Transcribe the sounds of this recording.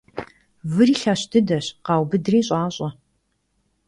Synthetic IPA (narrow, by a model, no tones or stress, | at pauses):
vɨriːɬaːɕdʰɨdɐɕqɑːwbɨdɨriːɕʼaːɕʼɐ